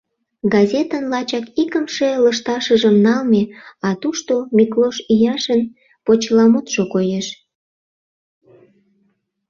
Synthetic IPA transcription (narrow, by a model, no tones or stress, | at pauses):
ɡɑzʲet̪ənlɑt͡ɕɑkikəmʃeləʃt̪ɑʃəʒəmnɑlmeɑt̪uʃt̪omikloʃijɑʃən | pot͡ɕlɑmot̪ʃokojeʃ